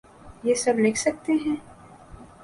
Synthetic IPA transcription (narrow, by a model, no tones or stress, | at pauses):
jeːsɐbleːkʰsɐk̚t̪eɦɛ̃ː